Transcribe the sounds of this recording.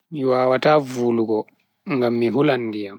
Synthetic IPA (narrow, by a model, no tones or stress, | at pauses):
miwaːwataːvuːluɡɔ | ŋɡamːiɦulanːdijam